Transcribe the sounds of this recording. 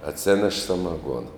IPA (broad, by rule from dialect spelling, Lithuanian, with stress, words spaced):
ɐtʲˈsʲeːnʲɛʃ sɐmɐˈɡuɔnɐ